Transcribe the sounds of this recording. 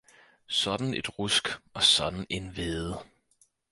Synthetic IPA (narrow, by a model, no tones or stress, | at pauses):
sɒ̽d̥n̩e̝d̥ʁusɡ̥ɒ̽sɒ̽d̥n̩e̝nʋeːð̩ˠ